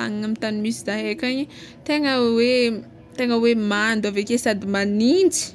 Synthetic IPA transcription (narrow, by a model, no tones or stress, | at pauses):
a̰ŋaŋamint̪animisizaɦekʲaɲi | t̪eŋəwe | t̪eŋəwemand̪avekʲesad̪imanind͡zi̥